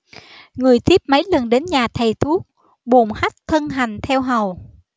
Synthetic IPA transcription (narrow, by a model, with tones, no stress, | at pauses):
ŋɨ˨˩əjt̪ʰi˦˥əp̚mə˨˦jlə˨˩nɗe˨˦nɲaː˨˩t̪ʰə˨˩jt̪ʰu˦˥ək̚ | ɓo˨˩ŋ͡mha˦˥jk̟̚t̪ʰə˧nɦa˨˩jŋ̟t̪ʰɛ˧wɦə˨˩w